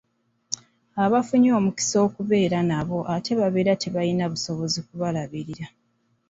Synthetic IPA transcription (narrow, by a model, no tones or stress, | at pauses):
aβafuɲo̞ːmuki̥so̞ːkuve̞ːɾanaβo̞ʔatʰe̞βaβe̞ːɾatʰeβajinaβuso̞βo̞zik̚uβalaβiɾiɾa